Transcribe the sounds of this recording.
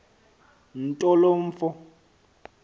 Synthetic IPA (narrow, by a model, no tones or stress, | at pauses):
n̩tʼɔloɱ̩fʊ